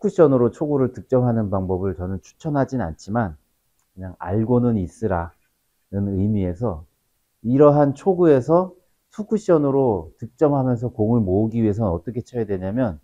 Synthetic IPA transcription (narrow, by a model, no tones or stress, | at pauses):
sʰu̥kʰuɕ͈ʌnɯɾot͡ɕʰoɡuɾɯɭtɯk̚t͡ɕ͈ʌmɦanɯnpaŋbʌbɯɭt͡ɕʌnɯnt͡ɕʰu̥t͡ɕʰʌnɦad͡ʑina̰nt͡ɕʰiman | kɯɲaŋa̰ɭɡonɯnis͈ɯɾa | nɯnɯjmie̞sʰʌ | iɾʌɦant͡ɕʰoɡue̞sʰʌ | sʰukʰuɕ͈ʌnɯɾotɯk̚t͡ɕ͈ʌmɦamjʌns̬ʰʌkoŋɯɭmouɡiɥie̞s̬ʰʌnʌt͈ʌkʰe̞t͡ɕʰʌjadwe̞ɲamjʌn